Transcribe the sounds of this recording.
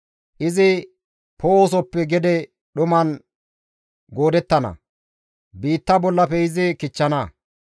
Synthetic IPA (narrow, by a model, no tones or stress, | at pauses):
ʔɪzɪ | poːoːs̬ɔpːɛɡɛd̪ɛ | ɗʊmɐn | ɡo̞ːd̪ɛt̪ːɐnɐ̰ | biːt̪ːɐbɔlːɐpɛɪzɪkɪt͡ʃːɐnɐ